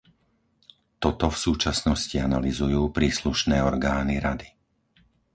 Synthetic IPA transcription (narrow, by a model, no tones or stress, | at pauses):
t̪ɔt̪ɔfsuːt͡ʃasnɔscianalizujuːpɾiːsluʃnɛːɔɾɡaːniɾad̪i